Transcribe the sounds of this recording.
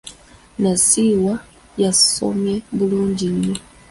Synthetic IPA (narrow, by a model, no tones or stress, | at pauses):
nasiwa | jasɔ̰mjɛbuluɲd͡ʒiɲɛ